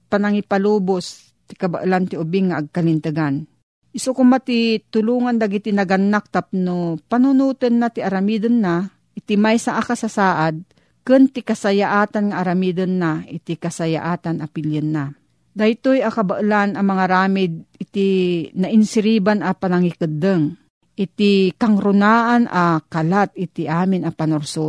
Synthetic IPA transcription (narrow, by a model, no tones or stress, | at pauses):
panaŋipalubos | t̪ɪ̥kaba̰ʔlant̪ɪʊbɪŋːaʔːɡ̚kalɪnt̪ɨɡan | ʔɪsokʊmat̪it̪ʊluːŋand̪aɡɪt̪inɐɡanːak̚t̪ap̚nopanʊnuːt̪ənːat̪ɪaɾamid̪ənːa | ʔɪt̪imajsaʔakasasaːʔad̪̚ | kɨnt̪ɪkasajaʔaːt̪anŋaʔːɾamid̪ənːaʔɪt̪ikasaja̰ʔaːt̪anapɪljənːa | d̪ajt̪ojakabaʔlanʔɐmɐŋaɾaːmɪd̪̚ɪt̪inaʔɪnsɪɾiːbanapanaŋikɨd̪əŋ | ʔɪt̪ikaŋɾʊnaːʔanʔakalat̪̚ɪt̪iʔaːmɪnɐpanoɾso